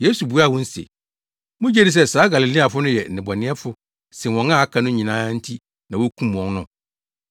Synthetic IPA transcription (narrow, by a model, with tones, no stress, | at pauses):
je˦su˨bu˨˦a˦˨wɔ̃˦n̩˦sḛ˨ | mʊ̃˦d͡ʑe˦di˨s̬ɛ˦saː˨˦ɡa˨li˨lĩ˦a˨fʊ˦nʊ̃˦jɛ˨nɪ̃˨ba˨nɪ̃˦ɛ˦fʊ˦ | sɪ̃˨wɔ̃˨nã˦˨a˦kʰã˨˦nʊ̃˦ɲĩ˨nãː˦n̩˦tʰi˦ | nã˨wo˦kʰũ˦m˨wɔ̃˨nnʊ̃˦˨